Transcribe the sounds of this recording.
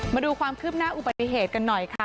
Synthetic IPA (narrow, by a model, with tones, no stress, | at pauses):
maː˧duː˧kʰwaː˧mkʰɯː˥˩p̚naː˥˩ʔu˨˩ba˨t̪ːi˧˨ɦeː˨˩t̪̚ka˧nːɔ˨˩jkʰa˦˥˩